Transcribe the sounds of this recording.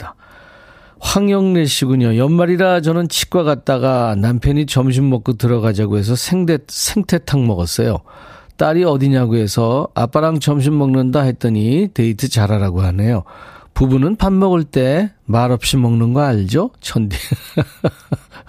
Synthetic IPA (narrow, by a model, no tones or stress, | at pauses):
tḁ | ɸwaŋjʌŋne̞ɕʰiɡuɲojʌnmaɾiɾat͡ɕʌnɯnt͡ɕʰi̥k̚k͈waɣat̚t͈aɡanampʰjʌɲit͡ɕʌmɕ̬ʰimːʌk͈otɯɾʌɡad͡ʑaɡoe̞s̬ʰʌsʰeŋdesʰe̞ŋtʰe̞tʰaŋmʌɡʌs͈ʌjo̰t͈aɾiʌdiɲaɡue̞sʰʌa̰p͈aɾaŋt͡ɕʌmɕ̬ʰimːʌŋnɯndaɦe̞t̚t͈ɯɲite̞itʰɯt͡ɕaɾaɾaɡoɦane̞jopubunɯnpanmʌɡɯɭt͈e̞maɾʌp̚ɕ͈imʌŋnɯnɡʌaɭd͡ʑot͡ɕʰʌndi